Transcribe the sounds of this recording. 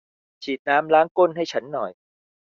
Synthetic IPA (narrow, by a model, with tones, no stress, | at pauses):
t͡ɕʰiː˨˩t̪̚naː˦˥mlaː˦˥ŋko˥˩nɦa˥˩jt͡ɕʰa˦˥nːɔ˨˩j